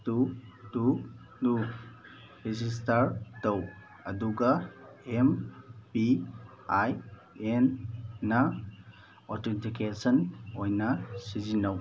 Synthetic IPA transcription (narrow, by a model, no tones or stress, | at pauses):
tutu | du | ɾizis̬tɐɾtɐw | ɐduɡɐ | empi | aj | enːɐ | ɔɾtentʰikesɔnojnɐsizinɐw